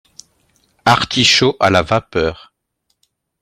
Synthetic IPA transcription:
aʁt̪ʰiʃoʔalavapœːʁ

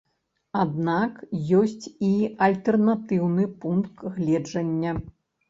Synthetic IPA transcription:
ad̪nakjɔsʲt͡sʲiɐlʲt̪ɛrnat̪ɨwnɨpunt̪ɣlʲɛd͡ʐɐnʲːɐ

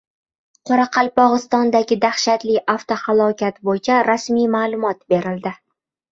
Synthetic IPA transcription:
qʰɒɾaqʰɑlˠpɒʁɨst̪ɒnd̪aɡʲɪd̪aχʃat̪lɪʔaft̪ohalˠɒkʲat̪bojt͡ʃʰaɾasmijmaːlˠʊmɒt̪be̞ɾɪld̪ɪ

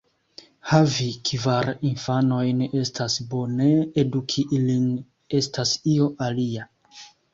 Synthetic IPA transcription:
havikʰivaɾinfano̞jne̞stʰasbo̞ne̞edukʰiʔilin | e̞stasio̞ʔalia

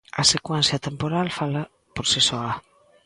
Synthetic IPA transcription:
ɐsekwɛn̟θjɐt̪empoɾalfalɐ | poɾsisɔɐ

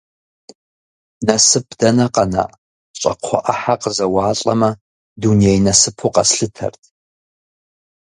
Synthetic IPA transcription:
nɐsɨpʰdɐnɐqɐna̰ːʔ | ɕʼɐ̰qʰʷɔ̰ʔɐħaqəzɐwɑːɬʼɐ̰mɐ | dunijejnɐsɨpʰuqɐsɬɨtʰɐ̰rtʰ

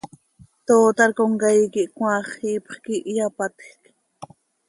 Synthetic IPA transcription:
t̪oːt̪ɑɾkoŋkajkiʔkwʷɑχipχkiʔjapat̪k

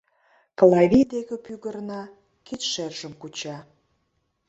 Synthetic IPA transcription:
klˠɑβʲid̪eɣə̆pyɣərnɑ | kit̪ʃerʒəmkut͡ɕɑ

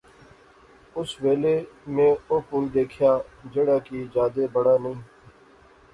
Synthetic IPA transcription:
ʊsʋeːleːmẽːoːpuːld̪eːkʰjaːd͡ʒəɽaːkiːd͡ʒaːd̪eːbəɽaːnəĩː

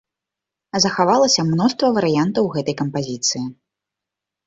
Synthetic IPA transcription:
zɐxavalˠɐsʲɐmnɔʂt̪vɐvɐɾɨjant̪ɐwɣɛt̪ɐjkɐmpazʲit̪sɨji

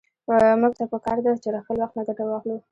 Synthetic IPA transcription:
muɡ̚t̪apəkɑɾd̪at͡ʃelaxəlwaxt̪naɡ̪aʈawɑxlu

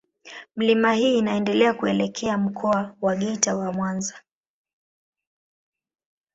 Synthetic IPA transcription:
m̩limahiːnaɛndɛlɛakuɛlɛkʰɛam̩kʰɔawaɠɛtawamwanza

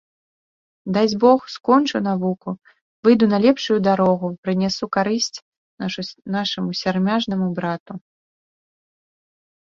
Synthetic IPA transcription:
d̪ad͡zʲbɔxskɔnt͡ʂɨnavuku | vɨjd̪unɐlʲɛpʂujud̪aɾɔɣupɾɨnʲɛsukaɾɨsʲt͡sʲ | naʂɐmusʲarmʲaʐnɐmubɾat̪u

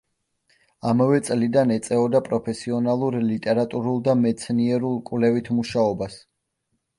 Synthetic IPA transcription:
amavɛt̪sʼlid̪anɛt̪sʼɛɔd̪apʼɾɔpʰɛsiɔnalˠuɾlit̪ʼɛɾat̪ʼuɾulˠd̪amɛt̪sʰniɛɾulˠkʼwvlɛvit̪ʰmuʃaɔbas

